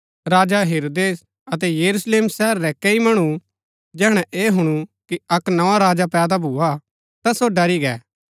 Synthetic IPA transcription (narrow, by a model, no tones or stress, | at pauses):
ɾaːd͡ʒaɦeːɾoːd̪eːs | ɐt̪̬ɛjɐɾusleːmsɛɦɾːɛkɐimɐɽ̃u | d͡ʒɛːɽ̃ɛ̃ʔeːɦʊɽ̃ukiɐknɐʋãɾaːd͡ʒapɛːd̪abʱuːa | t̪asoɖɐɾiɡɛ̰ː